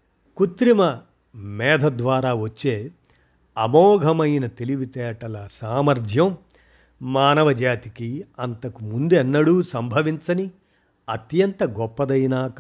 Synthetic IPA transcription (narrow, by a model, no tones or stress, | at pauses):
kut̪ɾimɐ | mɛːd̪ʱɐd̪ʋaːɾaːʋɐt͡ʃːe̞ː | ɐmɔːɡʱɐmɐjnɐt̪eliʋit̪ɛːʈɐlɐsaːmɐɾd̪ʱjɐm | maːnɐʋɐd͡ʒaːt̪ikiɐnt̪ɐkumund̪uɛnːɐɽuːsɐmbʱɐʋiɲt͡ʃɐni | ɐt̪jɐnt̪ɐɡɔpːɐd̪ɐjnaːk